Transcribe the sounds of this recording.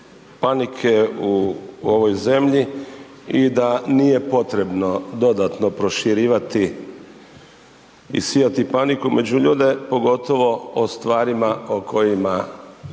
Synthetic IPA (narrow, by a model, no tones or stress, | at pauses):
panikʰeuoʋo̞jze̞mʎi | id̪anije̞po̞t̪ɾe̞bno̞d̪o̞d̪at̪no̞pɾo̞ʃiɾiːʋat̪i | ḭsijat̪ipanikumed͡ʑuʎuːd̪e̞po̞ɡo̞t̪o̞ʋo̞ost̪ʋaːɾimaokʰo̞jima